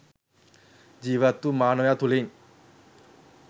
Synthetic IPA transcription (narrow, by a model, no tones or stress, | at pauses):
d͡ʒiːʋat̪ːumaːnojaːt̪uleɲ